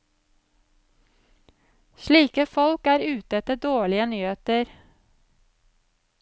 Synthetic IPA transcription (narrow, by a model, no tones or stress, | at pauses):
ʃliːkəfɔlkæːɾʉːt̪ɛt̪əd̪oːɭɪənyːheːt̪əɾ